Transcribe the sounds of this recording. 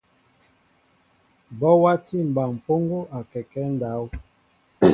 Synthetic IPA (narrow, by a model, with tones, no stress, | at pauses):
bɔ˦wa˦ti˦m̩˨ba˨m̩˨po˦ŋɡo˦ʔa˨kɛ˨kɛ˦n̩˦da˨˦w